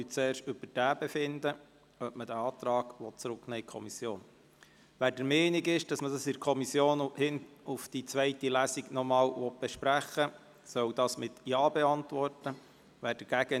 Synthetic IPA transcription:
yt͡sɛːɾʃtʏbəɾd̥æːb̥ɛfɪnd̪ə | œpmədæɑːt̪ɾɑːɡʋɔtt͡sɾʊknɛːɪkʰɔ̰misjoːn | ʋæːɾd̥əɾmɛːniɡɪʃd̥ɑsməd̥ɑsɪɾkʰɔmisːjoːnhɪnufd̥it͡sʋɛɪtilæsiɡnɔmɑːlʋɔt̚b̥ɛʃpɾæχə | sœwd̥ɑːsmɪt̪jɑːbɛɑntʋɔrtə | ʋæːɾd̥əɾɡ̥æɡ̥ə

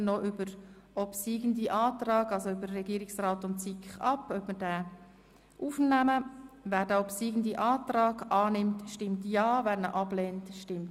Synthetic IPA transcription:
noʔʏbəɾ | ɔpsiːɡəndiʔɑːtrɑːɡɑlsoybəɾːɛɡiːɾɪksraːtʊntsikχɑpœbməɾdæː | ʔuːfnæməvæːɾdɛɔpsiːɡən̩diʔɑːtɾɑːɡɑːnɪmtʃtɪmtjɑːvæːɾnəʔɑbleːntʃtɪmt

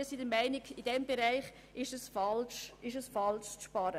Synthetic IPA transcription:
sidəmaɪniɡid̥ɛmbeɾaɪχ | ɪʃəsfɑlʃɪʃəsfɑlʃʃpɑɾə

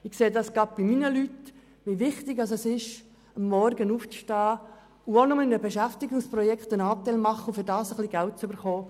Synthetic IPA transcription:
ɪkseːdɑsɡ̥ɑd̚b̥iminəlyt | ʋiʋɪχt̪ɪɡɑsɛsɪʃ | əmːɔrɡənuːft͡sʃtɑː | uonʊməɪnəbɛʃæft̪ɪɡʊŋsprɔjɛkχt̪ənɑːt̪æɪlmɑχːəʊfʏɾdɑːsəχliɡælt̚t͡søbəɾχoː

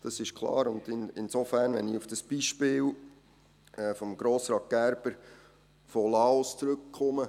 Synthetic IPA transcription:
d̥ɑsɪʃkʰlˠɑ̰ːɾʊnd̪ɪnɪnsofæːɾnʋɛ̰niufd̥ɑsb̥iʃpɪːl | ɛːfɔmɡ̥ɾoːsɾɑːt̚ɡ̥æɾb̥əɾ | folɑːɔst͡sɾɵk̚kʰχʊmə

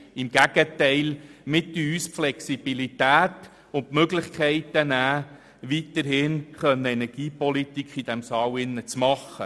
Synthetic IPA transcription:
ɪmɡ̥æɡ̥ətɛɪlmɪt̪ːəyːsflɛksib̥ilit̪æːt | ʊntmøɡlɪχkʰɛɪt̪ənæː | ʋit̪əɾhɪnχœnːəɛnɛɾɡ̥iːpɔlit̪ikʰχid̥ɛmsɑːwɪnːət͡smɑχːə

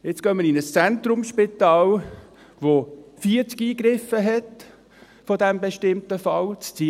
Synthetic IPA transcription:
jɛt͡skœnməɾinəst͡sɛntɾʊmʃpitɑːl | ʋofiəɾt͡skiːɡɾɪfəɦɛt | fɔdɛmbɛʃtɪmtəfɑlt͡st͡siː

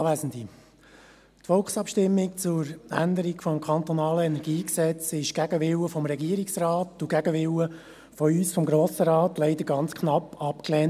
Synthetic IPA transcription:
ʋæːsənd̪i | tfɔlχsɑpʃtɪmːik̚t͡sʊɾæ̰nd̪əɾiɡfɔmkʰɑnt̪ɔnɑːləɛnɛɾɡiːksɛt͡sɪʃɡ̥æɡəʋɪwəfɔmɾɛɡiəɾiksrɑːtuɡæɡəʋɪwə | fɔyːsfɔmɡɾoːsəɾɑːtlɛɪd̥̪əɾɡɑnt͡skχnɑpːɑpklɛːn

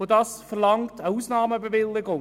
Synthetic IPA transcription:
odɑːsfəʁlɑŋtʰəuːsnɑːməbəʋɪlːɪɡʊŋ

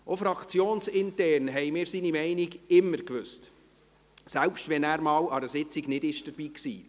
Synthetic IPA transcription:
ʔofɾɑkʰt͡sjoːnsɪntɛrnɦɛɪmɪːɾsiːnimɛɪniɡɪmːəɾkʋʏst | sɛlpʃtʋɛnæːɾmɑːwɑɾəsɪt͡siɡnɪdɪʃd̥əɾb̥iːksḭː

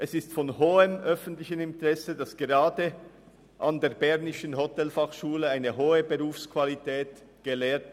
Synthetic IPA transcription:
ʔɛsɪstfɔnhoːəmʔœfən̩tlɪçənɪntʁɛsədasɡ̥eʁaːdə | ʔandeːɾbɛʁnɪʃənɦotɛlfaχʃuːləaɪnəɦoːəbəʁuːfskʰv̥alitʰɛːt | ɡ̥elɛːt

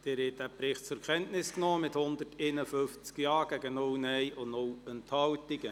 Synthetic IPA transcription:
d̪̥ɪːɾɛdæpɾɪχt̚t͡sʊɾkʰɛntnɪsknoːmɪthʊnd̪əteːnəføft͡skjɑːɡ̥æɡənʊwnɛɪʊnʊwənthɑltiɡə

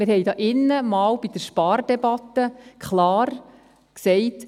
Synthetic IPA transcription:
mɪɾhɛjd̪ɑːʔɪnːəmɑːwb̥id̥̪əɾʃpɑːɾdɛbɑt̪ːəkχlɑːɾ | ksɛɪt

